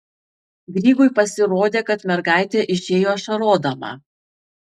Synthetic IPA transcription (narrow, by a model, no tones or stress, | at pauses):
ɡɾʲiːɡʊɪpɐsʲɪɾoːd̪ʲeːkɐt̪mʲɛɾɡɑˑɪt̪ʲɛʔɪʃʲeːjoːʃɐɾoːd̪ɐmɑ̰ː